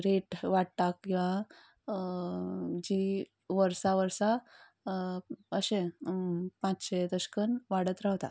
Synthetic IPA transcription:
ɾeʈʋaɽt̪akkĩʋã | d͡ʑi | ʋəɾsaʋəɾsa | əɕẽ | pãt͡sɕed̪əɕkənʋaɽət̪ɾawt̪a̰

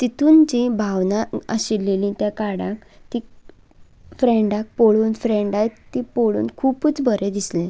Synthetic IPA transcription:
t̪it̪uːnd͡ʑibʱaʋnaəɕilːelĩt̪jakaɽãk | t̪i | fɾeɳɖak̚poɭuːnfɾeɳɖajt̪t̪ːipoɭṵːnkʰuːput͡sbʱəɾed̪islẽ

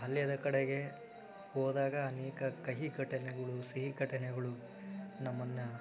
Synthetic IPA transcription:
ɦɐlːjɐd̪ɐkɐɽeɡe̞ | hɔːd̪aːɡɐːnɛːkɐkɐɦiɡɐʈɐnɛɡɐɭusiɦiɡɐʈɐnɛɡɐɭu | nɐmːɐnːɐ

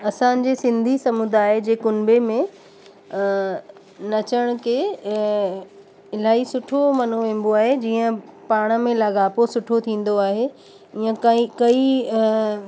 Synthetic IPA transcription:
ɐsã̆d͡ʑeːsɪ̃nd̪ʱisɐmʊd̪aːɦed͡ʑeːkʊnbemẽ | nɐt͡ɕəɽ̃ʊkʰeː | ɪl̤aːisʊʈʰomɐn̤uʋẽːn̆b̪oaːɦed͡ʑiːə̃paːɽ̃ə̆mẽlɐɡaːposʊʈʰot̪ʰĩːn̆d̪oaːɦe | iːə̃kikɐi

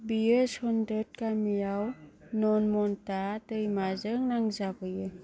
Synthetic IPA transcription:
bieshɔndɾət̚kamijawnɔnmɔntatɯjmazəŋnaŋzabɯjɯ

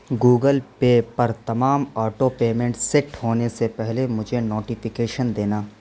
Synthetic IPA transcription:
ɡuːɡəlpeːpɐɾt̪ɐmaːmɔːʈopeːmẽɳʈsɛʈɦoːnesepɛɦlemʊd͡ʒʱenoːʈɪfɪkeːʃənd̪eːnaː

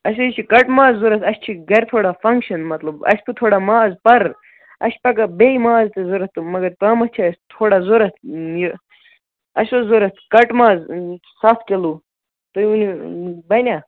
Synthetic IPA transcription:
ɐʃ̬ot͡ʃʰikɐʈmaːzːuɾɐt̪ʰɐst͡ʃʰiɡɐɾʲt̪ʰoːɽafɐŋkʃɐnmɐt̪lɐbɐ̰ʃʲt̪ʰut̪ʰoːɽamaːzpɐɾ | ɐ̰ʃpɐkɐbeimaːzt̪ezoɾɐt̪t̪umɐɡɐɾt̪aːmɐt͡ʃʰast̪ʰoːɽazoɾɐt̪ʰjo | ɐʃozoɾɐt̪ʰkɐʈmaːzsafʰkʲelu | t̪ounibɐnʲa

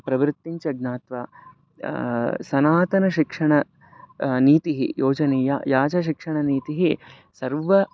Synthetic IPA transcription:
pɾɐʋɾɨt̪ːiɲt͡ʃɐɡ̚naːt̪ʋa | sɐnaːt̪ɐnɐʃikʂɐɳɐ | niːt̪iɦḭjoːd͡ʒɐneːjajaːd͡ʒɐʃikʂɐɳɐniːt̪iɦi | sɐɾʋɐ

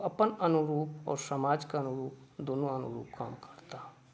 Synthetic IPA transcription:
ɐpənɐnʊɾuːpɔ̰ːɾsəmaːd͡ʒkaənʊɾuːpd̪onoɐnʊ̰ɾṵːpka̰ːmkə̥ɾt̪a

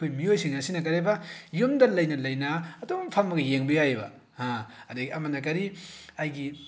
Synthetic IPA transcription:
ojmiojsiŋasinak̬ɐɾebajomdɐlɐjnɐlɐjnaːtoŋpʰamːɐɡɐjeŋbɐjajba̰ | hãɐdɐɡiɐmanak̬ɐɾiajɡi

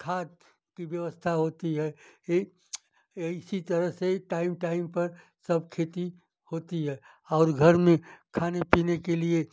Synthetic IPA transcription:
kʰaːt̪ | kiʋjəʋəst̪ʰaɦoːt̪iɦɛː | ɪsit̪əɾəɦseʈaːɪmʈaːɪmpɐɾ | sɐb̚ʱkʰeːt̪i | hoːt̪iɦɛː | ɔːɾɡʱəɾmẽkʰaːnepiːnekelie

